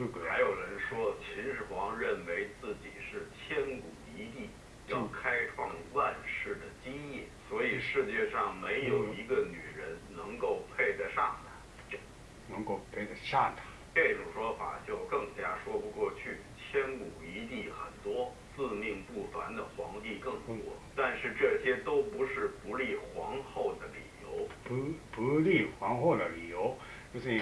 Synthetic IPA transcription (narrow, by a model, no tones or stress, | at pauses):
xaɪjoʊɻənʂwɔt͡ɕʰinʂɻ̩xwɑŋɻənweɪt͡sɹ̩t͡ɕiʂɻ̩t͡ɕʰjɛnkuit̪i | jɑʊkʰaɪʈ͡ʂʰwɑŋwanʂɻ̩d̪ət͡ɕiŋiswɔiʂɻ̩t͡ɕjɛʂɑŋmeɪjoʊiɡənyɻənnɤŋkoʊpʰeɪt͡saɪʂɑŋna | t͡ɕjoʊ | nɤŋkoʊpʰeɪt͡saʂant̪ʰḁ | ʈ͡ʂeɪʈ͡ʂʊŋʂwɔfa̰t͡ɕjoʊkɤŋt͡ɕjaʂwɔpukwɔt͡ɕʰy | t͡ɕʰjɛnkuit̪ixə̰nt̪wɔ | t͡sɹ̩miŋpufand̪əxwɑŋt̪ikɤŋwɔt̪anʂɻ̩ʈ͡ʂɤɕjɛt̪oʊpuʂɻ̩pulixwɑŋxoʊd̪əlḭjo̰ʊpulixwɑŋxoʊd̪əlijoʊ | t͡ɕoʂ